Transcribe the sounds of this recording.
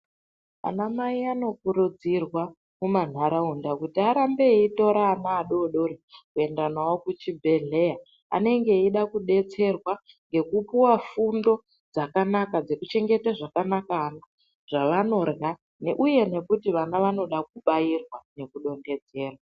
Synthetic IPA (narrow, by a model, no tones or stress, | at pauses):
a̰namaiano̞kuɾud͡zirwa | muman̤aɾaundakutiaɾambe̞ito̞ɾaːnaːɗo̞ɗo̞ɾikue̞ndanawo̞kut͡ʃibʱe̞ɮe̞ja | a̰ne̞ŋɡe̞iɗakuɗe̞t͡se̞rwa | ŋɡe̞kupuwafundo̞ | d͡zakanakad͡ze̞kut͡ʃe̞ŋɡe̞taʐakanakana | ʐ̥aʋano̞rɣa | ne̞ʔuje̞ne̞kutiʋanaʋano̞ɗak̚uɓairwane̞kuɗo̞nde̞d͡ze̞ːrwa